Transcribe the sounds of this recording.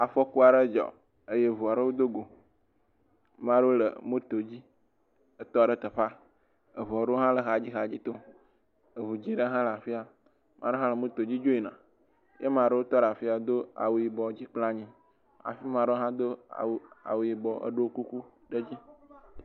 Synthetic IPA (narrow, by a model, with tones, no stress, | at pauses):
a˨fɔ˦ku˦a˨ɖə˦d͡ʒɔ̰˨ | ə˦je˦vu˨a˨ɖə˦wo˦d̪o˦ɡo˨ | mã˦ɖə˦wo˦lə̰˨mõ˦t̪o˨d͡ʑi˦ | ə˦t̪ɔ˦a˨ɖə˦t̪ə˨ɸa˦ | ə˨vu˨a˨ɖə˦o˦ɦã˦lə˨ɦa˨d͡ʑi˦ɦa˨d͡ʑi˦t̪o˦ | ə˨vu˨d͡ʑi˦ɖə˦ɦã˦la˨fi˦a˨ | mʔã˨ɖe˦ɦã˦lə˨mõ˦t̪o˨d͡ʑi˦d͡ʒo˦i˨nã̰˨ | jʔe˦mã˨ɖə˦wo˦t̪ɔ˦ɖa˨fi˦a˨d̪o˦a̰˨wu˨ji˨bɔ˨d͡ʑi˦k͡pla˦ɲĩ˦ | a̰˨fi˦mã˨ɖe˦ɦã˦d̪o̰˦˨wa̰˨wu˨ji˨bɔ˨ʔə̰˦ɖo˦ku˦ku˦ | ɖə˦d͡ʑi˦